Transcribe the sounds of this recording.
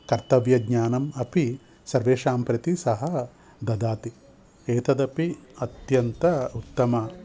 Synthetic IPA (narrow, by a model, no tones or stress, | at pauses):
kɐɾt̪ɐʋjɐɡɲaːnɐmɐpi | sɐɾʋeːʃaːmpɾɐt̪isɐɦɐ | d̪ɐd̪aːt̪i | eːt̪ɐd̪ɐpiɐt̪jɐnt̪ɐut̪ːɐmɐ